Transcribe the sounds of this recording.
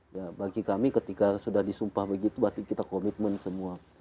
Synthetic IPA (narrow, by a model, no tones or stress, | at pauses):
jabaɡikamikət̪ikasudahdisumpahbəɡit̪ubat̪ikit̪akomit̪̚mənsəmua